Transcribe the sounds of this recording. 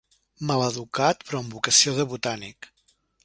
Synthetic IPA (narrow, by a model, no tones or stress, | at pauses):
maləðukat̪pɾɔəmbukəsioðəβut̪anik